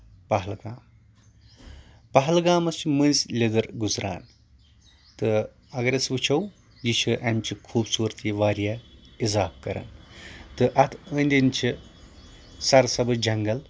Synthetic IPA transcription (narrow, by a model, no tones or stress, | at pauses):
pɐɦɐlɡaːm | pɐɦɐlɡaːmɐst͡ʃʰimɨnzʲlʲed̪ɨɾɡuzɾa̰ːn | t̪ɨ | ɐɡɐɾʲɐsʋɨt͡ʃʰɐw | jit͡ʃʰuʔɐmt͡ʃʰikʰuːbsuːɾt̪ʲʰiʋaːɾjaːizaːbkɐɾa̰ːnt̪ɨʔɐt̪ʰənʲd̪ʲint͡ʃʰi | sɐɾɐsɐbɨd͡ʒɐŋɡɐl